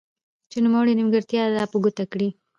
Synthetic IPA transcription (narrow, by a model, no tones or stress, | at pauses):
t͡ʃenumawaɽinɪmɡəɾt̪jɑd̪ɑpəɡut̪akɽi